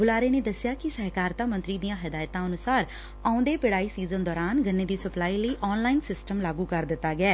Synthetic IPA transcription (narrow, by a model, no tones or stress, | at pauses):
bʊlaːɾeːneːd̪əsɪjaːkɪsəɦkaːɾt̪ãːmə̃nt̪ɾiːd̪ijãːɦɪd̪aːjt̪ãːənʊsaːɾ | aːʊ̃nd̪eːpɪɽaːiːsiːzənd̪ɔːɾaːnɡʱənːeːd̪iːsəplaːiːləiːʔɔːnlaːinsɪsʈəmlaːɡuːkəɾd̪ɪt̪ːaːɡɪɛː